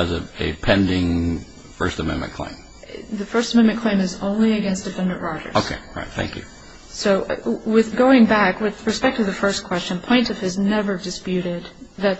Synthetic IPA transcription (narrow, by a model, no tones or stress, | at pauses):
ɨzɨɨ̰pʰɛ̃ndɪ̃ŋ | fɜ˞stəmɛ̰̃nmɨ̰̃nkʰl̥ḛ̃ɪ̃m | ðɨfɜ˞stəmɛ̃nmɨ̃nkʰl̥ẽɪ̃mɨzõʊ̃nliɨɡɛ̃nsd̥ɨfɛ̃ndɨ̃nʔɹaɪɾə̰˞oʊkʰeɪɹa̰ɪt̪̚θæ̰̃ŋkjʉ̰ | soʊwɪðɡoʊɪ̃ŋbækwɨð̥ɹɨspɛk̚tʌvðɨfɜ˞skʰw̥ɛst͡ʃɨ̃npʰl̥ẽɪ̃ntʌfɨznɛvə˞dɨspjʉɾɪd̪̚ðɨt̚